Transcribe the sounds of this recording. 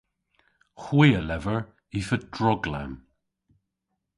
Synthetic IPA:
xwiːəlɛvəɹ | ifədɹɔɡla̰m

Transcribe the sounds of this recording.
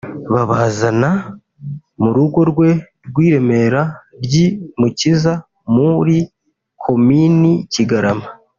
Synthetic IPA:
βaβaːzana | muɾuɡo̞ɾɡwe̞ | ɾɡwiːɾe̞me̞ɾaɾɟimuciza | muɾi | kʰo̞miniciɡaɾama

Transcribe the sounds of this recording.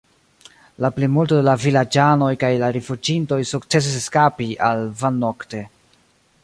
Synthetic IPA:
laplimultodelavilad͡ʒano̞jkajlaɾefud͡ʒinto̞jsukt͡se̞s̬is̬eskapiʔalvanːokte̞

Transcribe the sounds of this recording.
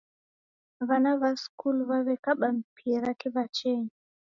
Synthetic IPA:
βanaβaskulβaβɛkaɓam̩pʰiɾakɛβat͡ʃɛɲi

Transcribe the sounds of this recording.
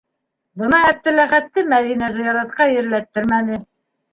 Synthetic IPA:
bɤnɑæp̚t̪ɘ̆læχæt̪ːɘmæðinæzɤ̆jɑɾɑt̪̚qɑjɘ̆ɾlæt̪ːɘɾmænɘ

